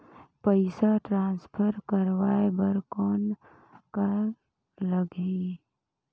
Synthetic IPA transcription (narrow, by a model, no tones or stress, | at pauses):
pəɪsaʈɾãːnspʰəɾkəɾʋaːebəɾkɔːn | kaɾ | ləɡi